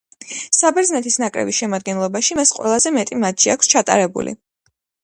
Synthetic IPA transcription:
sabɛɾd̪znɛt̪ʰisnakʼɾɛ̰bisʃɛmad̪̚ɡɛnlˠɔbaʃimasqʼwɛ̰lˠazɛmɛt̪ʼimat̪ʃiakʷʰst͡ʃʰat̪ʼa̰ɾɛbṵlḭ

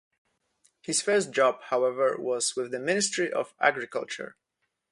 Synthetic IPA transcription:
hɨz̥fɜ˞std̥ʒ̥ɑb̥̚haʊɛvə˞wʌz̥wɪðɨmɪ̃nɨstɹ̥iʔʌ̰væ̰ɡɹɨkʌ̰lˠt͡ʃə̰˞

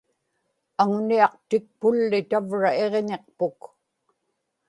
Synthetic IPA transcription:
aŋniɑqt̪ɪk̚pʊlːɪt̪avɻae̞ʁɲeq̚pʊk

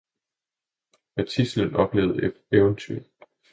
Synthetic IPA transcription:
mæt͡sʰislənɒ̽b̥le̝ːʊð̩ˠe | eʊənt͡sʰyɐ̰

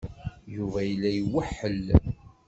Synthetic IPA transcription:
juvæjəlːæjəwəħːəl

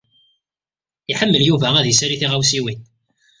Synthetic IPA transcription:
iħəmːəljuvææðisæɾiθiʁawsiwin

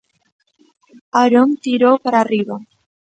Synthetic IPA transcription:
aɾont̪iɾowpaɾariβa

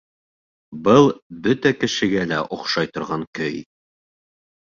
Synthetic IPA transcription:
bɤlˠbɵt̪ækɘ̆ʃɘ̆ɡælæʔŏχʃɑjt̪ŏɾʁɑŋkɵj

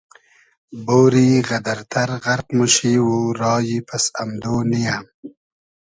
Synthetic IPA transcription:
boːɾiːɣɐd̪ɐɾt̪ʰɐɾɣɐɾqmuʃiːwuɾɑːjipɐsamd̪oːnijam

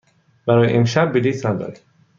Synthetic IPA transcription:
bæɾɒːjḛʔemʃæbːid̪iːt̪næd̪ɒ̰ɾi

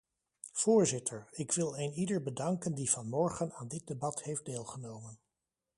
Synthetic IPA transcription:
v̥ʊːɹzɪtʰəɹɪkʋɪlˠejnidəɹbədɑŋkəndiv̥ɑnmɔɹχənaːndɪt̚debɑthejfdeːlˠχənowmən

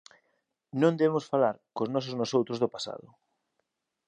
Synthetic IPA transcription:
nõnd̪eβemʊsfalaɾkoznɔs̬ʊznosowt̪ɾozðʊpasa̰ðʊ̰

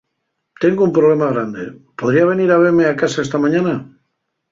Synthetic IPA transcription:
t̪e̞ŋɡoumpɾole̞maɣ̞ɾand̪e̞po̞ð̞ɾiaβ̞e̞niɾaβ̞eɾmeakasaest̪amãɲãna

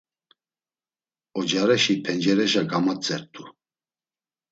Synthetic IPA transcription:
ɔd͡ʒaɾɛʃipʰɛnd͡ʒɛɾɛʒaɡamat͡sʼɛɾt̪ʰʼu

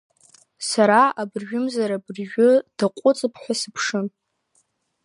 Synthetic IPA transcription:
saɾaabrʒᶣʊmzaɾabrʒᶣʊd̥aqʷʼʊt͡sʼɨpʰħʷasɨpʰʂɨ

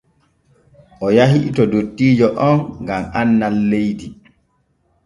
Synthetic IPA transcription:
ʔɔjaɦiʔtɔdotːiːd͡ʒɔʔɔnɡamanːalːejdi

